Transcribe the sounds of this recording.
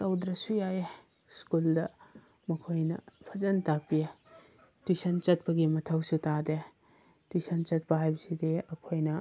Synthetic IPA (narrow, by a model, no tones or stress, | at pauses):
sɐwd̪ɾɐsujaje | skuldɐ | mɐkʰojnɐ̰pʰɐzɐntak̚pije | tujsɐnt͡ʃɐt̚pɐɡimɐtʰɐwsutade | tujsɐnt͡ʃɐt̚pɐɦajbɐsideɐkʰojnɐ